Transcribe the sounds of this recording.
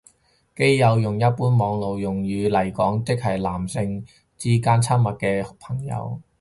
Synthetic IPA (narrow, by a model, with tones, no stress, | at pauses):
ke˥jːɐ˨˧wjʊ˨ŋjɐ˥t̚puː˥nmɔː˨˧ŋlo˨˧wjʊ˨˩ŋjyː˨˧lɐ˨˩jkɔː˨˥ŋt̪ɪ˥k̚hɐ˨˩jlaː˨˩msɪ˧ŋ | t͡siː˥kaː˥nt͡sʰɐ˥mmɐ˨t̚kɛː˧hʊ˨k̚pʰɐ˨˩ŋjɐ̰˨˧w